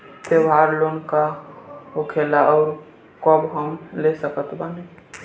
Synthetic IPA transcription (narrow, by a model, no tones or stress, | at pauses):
t̪eʋaɾlonkaɦokʰelaɔːɾ | kɔbɦəmlesəkət̪bəne